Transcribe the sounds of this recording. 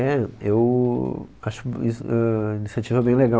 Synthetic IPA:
ɛew | aʃʊ̥kisʊɛinisjat͡ʃivɐɛbẽj̃leɡa

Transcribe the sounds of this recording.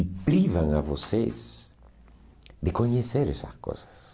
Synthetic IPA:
pɾivãŋavoses | d̪ekoɲeseɾɛsɐ̰sko̰sɐ̥s

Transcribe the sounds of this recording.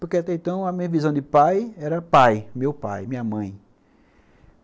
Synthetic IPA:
pʊɾkeat̪ɛẽnt̪ɐ̃w̃ɐmĩɲɐvizɐ̃w̃d̪ɪpajɛɾɐpajmewpa̰jmĩɲɐmɐ̃j̃

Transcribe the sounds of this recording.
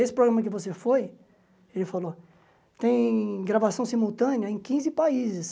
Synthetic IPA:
esɪ̥pɾoɡɾɐ̃mɐkɪvosefoj | elɪfalo | t̪ẽj̃ɡɾavasɐ̃w̃simuwt̪ɐ̃nɪɐẽj̃kĩzɪpaizɪs

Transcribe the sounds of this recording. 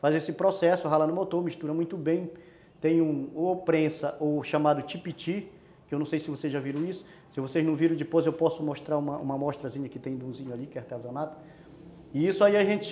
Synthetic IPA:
fazesɪpɾosɛsʊɦalɐnʊmot̪oɾmiʃt̪uɾɐmũj̃t̪ʊbẽj̃ | t̪ẽj̃ũopɾẽsɐʔowʃamad̪ʊt͡ʃipit͡ʃi | kɪewnɐ̃w̃sejsɪvosezʒaviɾɐ̃w̃isʊ̥ | sɪvoseznɐ̃w̃viɾɐ̃w̃d͡ʒɪpojzewpɔsʊmoʃt̪ɾaɾũmɐʔṵ̃mɐmɔʃt̪ɾɐzĩɲɐkɪt̪ẽj̃d̪ũzĩɲʊalikɛɛaht̪eazonat̪ɐ̥ | ɪisʊaiɐʒẽt͡ʃɪ

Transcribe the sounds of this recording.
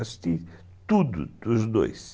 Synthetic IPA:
ʃt̪i | t̪ud̪ṵd̪uʒd̪o̰jʃ

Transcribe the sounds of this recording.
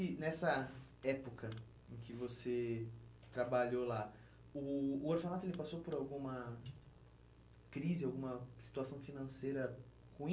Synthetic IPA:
ɪnɛsɐ | ɛpokɐ | ẽkɪvose | t̪ɾabaʎola | ʊːoɾfanat̪ʊelɪpasowpoɾawɡũmɐ | kɾizɪawɡũmɐsi̥t̪uasɐ̃w̃finɐ̃sejɾɐ | huĩ

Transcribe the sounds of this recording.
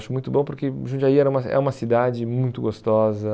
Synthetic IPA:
ʃʊmũj̃t̪ʊbõpoɾkeʒũd͡ʒaiɛɾɐũmɐɛ̰ũmɐsid̪ad͡ʒɪmũj̃t̪ʊɡost̪ɔzɐ

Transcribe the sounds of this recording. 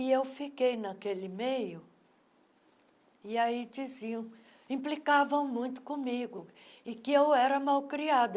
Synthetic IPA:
ɪewfikejnɐkelɪmejʊ | ɪaid͡ʒiziɐ̃w̃ | ĩplikavɐ̃w̃mũj̃t̪ʊ̥kõmiɡʊ | ɪkɪewɛɾɐmawkɾiad̪ɐ

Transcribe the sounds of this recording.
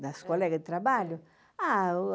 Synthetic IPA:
d̪askɔlɛɡad̪ɪt̪ɾabaʎʊ | a

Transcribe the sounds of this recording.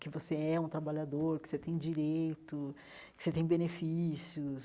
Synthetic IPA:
kɪvoseɛũt̪ɾabaʎad̪oɾkɪ̥set̪ẽj̃d͡ʒiɾejt̪ʊ | kɪ̥set̪ẽj̃benefisiʊs

